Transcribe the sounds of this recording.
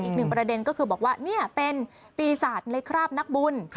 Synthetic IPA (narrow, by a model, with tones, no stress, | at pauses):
ʔiː˨˩k̚nɯ˨˩ŋpɾa˧de˧nkɔː˥˩kʰɯː˧bɔː˨˩k̚waː˥˩ni˥˩ɐpe˧n | piː˧saː˨˩t̪̚la˧˦˥jkʰɾaː˥˩p̚na˦˥k̚bu˧n